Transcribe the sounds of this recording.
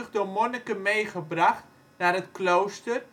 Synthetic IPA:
əχdomonəkəmejχəbraχt | naːrətklowstər

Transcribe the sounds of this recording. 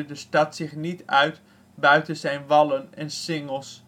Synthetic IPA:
dəstɑtsɪχnitœɥt | bœɥtənzɛjnʋɑlənɛnsɪŋəlˠs

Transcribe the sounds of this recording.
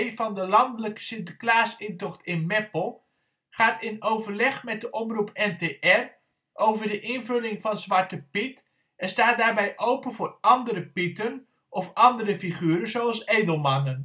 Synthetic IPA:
jvɑndəlɑndələkə̥sɪntəklaːsɪntɔχtɪnmɛpəlˠ | χaːtɪnowvəɹlɛχmɛt̚dəʔɔmrupɛntejʔɛr | ʔowvəɹdəʔɪnvɵlɪŋvɑnzʋɑɹtəpɪt | ɛnstaːt̚daːɹbɛjʔowpənvʊːɹʔɑndəɾəpɪtən | ʔɔfɑndəɾəfiχyːɾənzowɑlˠsejdəlˠmɑnən

